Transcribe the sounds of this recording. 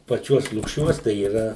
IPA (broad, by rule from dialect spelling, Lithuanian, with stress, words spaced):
pɐˈt͡ʃʲuɔs lˠʊkˈʃʲuɔs tɐɪ iːˈrɐ